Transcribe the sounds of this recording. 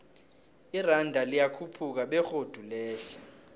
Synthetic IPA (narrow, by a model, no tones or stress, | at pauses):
irandʱalijakʰupʰuk̬aɓɛxod̥ʱulɛːɬɛ